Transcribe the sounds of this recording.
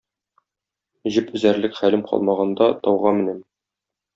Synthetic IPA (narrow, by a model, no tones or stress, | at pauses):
ʑɘpɵ̆zæɾlɘkχælɘmqʰɒ̰lˠmɑʁɑnd̪ɑt̪ɒwʁɑmɘ̆næm